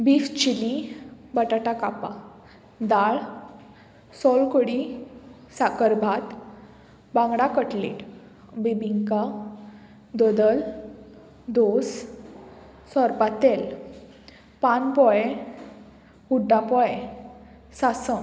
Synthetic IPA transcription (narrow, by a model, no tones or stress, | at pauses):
bift͡ɕilibəʈaʈakapa | d̪aɭ | sɔlkoɽi | sakəɾbʱat̪ | bãŋɡɽakəʈlḭʈ | bibʱiŋka | d̪ɔd̪əl | d̪os | sɔɾpat̪el | panpɔje | uɖːapɔje | sasə